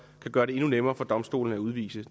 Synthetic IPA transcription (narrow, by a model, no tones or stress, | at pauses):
kʰæɡ̥ɶːɐɾe̝e̝nunemɐːfɒ̽d̥ɒ̽msd̥o̝̰ːln̩əæuð̞ˠʋḭːsə